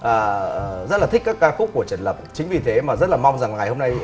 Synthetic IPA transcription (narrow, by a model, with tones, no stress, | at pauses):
ʔəː˨˩˨zə˦˥laː˨˩ï˦˥kaː˦˥kːaː˧kfʊ˦˥k͡p̚ku˧˩ət͡ɕə˧˩nləː˨˩p̚t͡ɕï̟˨˦vi˨˩t̪ʰe˨˦maː˨˩zə˦˥t̚laː˨˩ma˧wŋ͡mza˨˩ŋŋa˨˩jho˧mna˧j